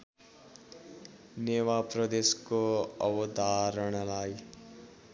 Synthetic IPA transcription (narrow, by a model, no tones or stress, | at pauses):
newapɾəd̪eːskoʌwəd̪ʱaːɾəɽ̃laːi